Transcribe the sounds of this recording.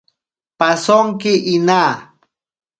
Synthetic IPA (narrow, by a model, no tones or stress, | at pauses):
pasoŋkɪʔinaː